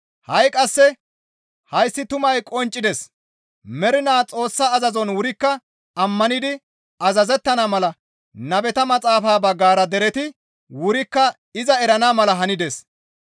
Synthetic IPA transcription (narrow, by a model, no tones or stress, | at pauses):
hɐjkʼɐsːɛ | hɐjsːɪt̪ʊmɐjkʼɔnt͡ʃʼːɪd̪ɛs | mɛɾɪnaːt͡sʼo̞ːsːaːzɐzɔnwʊɾɪkːɐ | ɐmːɐnɪd̪ɪ | ɐzɐzɛt̪ːɐnamɐlɐ | nɐbɛt̪ɐmɐt͡sʼaːfaːbɐɡːaːɾɐd̪ɛɾɛt̪ɪ | wʊɾɪkːɐ | ɪzɐɛɾɐnaːmɐlɐɦɐnɪd̪es